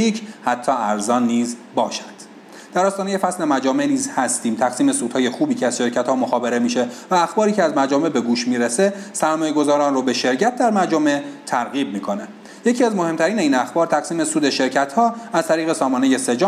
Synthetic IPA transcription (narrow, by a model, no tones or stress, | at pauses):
iːcʰhæt̪ʰːɒːæɾzɒːnːiːzbɒːʃæ̥d̪̥ | d̪̥æɾɒːst̪ɒːneje̞fæsle̞mæd͡ʒɒːme̞niːzhæst̪iːmt̪ʰæɣsiːme̞suːd̪̥hɒːje̞xuːbiːcʰeæz̥ʃe̞ɾcʰæt̪hɒːmoxɒːbe̞ɾe̞miːʃe̞væːxbɒːɾiːcʰeæzmæɾd͡ʒɒːme̞be̞ɡuːʃmiːɾese̞sæɾmɒːje̞ɡo̞zɒːɾɒːnroːbe̞ʃe̞ɾcʰæt̪̚d̪æɾmæɾd͡ʒɒme̞t̪ʰæɾɣiːb̚miːkʰo̞ne | je̞cʰiæzmo̞he̞mt̪ʰæɾiːneiːnæxbɒːɾt̪ʰæɣsiːme̞suːd̪e̞ʃe̞ɾcʰæt̪hɒːæzt̪ʰæɾiːɣe̞sɒːmɒːne̞je̞se̞d͡ʒː